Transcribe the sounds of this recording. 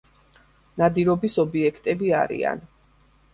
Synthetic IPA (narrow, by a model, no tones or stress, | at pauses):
nad̪iɾɔbisɔbiɛkʰt̪ʼɛbia̰ɾḭa̰n